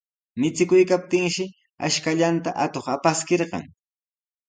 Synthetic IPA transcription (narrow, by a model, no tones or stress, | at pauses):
mɪt͡sɪkʊjkap̚t̪ɪŋʃɪ | a̰ʃkaʎant̪aʔat̪oχapaskeɾɢɑ̰ŋ